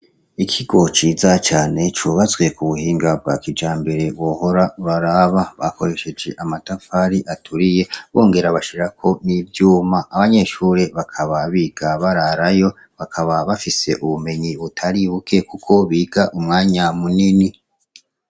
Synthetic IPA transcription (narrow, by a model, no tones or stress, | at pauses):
ikʰiɡo̞t͡ʃiːzat͡ʃaːne̞t͡ʃuβazwe̞kuβuhiːŋɡab̚ɡa̰ːkid͡ʒaːmbe̞ɾe̞βwo̞ːho̞ɾaβaɾaβaβako̞ɾe̞ʃe̞d͡ʒe̞ʔamatafaɾiʔatʰuɾije̞βo̞ːŋɡe̞ɾaβaʃiɾakʰo̞nivjuːmaʔaβaɲe̞ʃuːɾe̞βakʰaβaβiːɡ̥aβaɾaɾajo̞ | βakʰaβaβafise̞ʔuβume̞ɲiβutʰaɾiβukʰe̞kukʰo̞βiːɡaʔumŋaːɲamunini